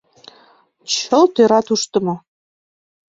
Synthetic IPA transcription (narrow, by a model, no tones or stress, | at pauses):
t͡ɕɤ̆lˠt̪eɾɑt̪uʃt̪ɤ̆mɤ̆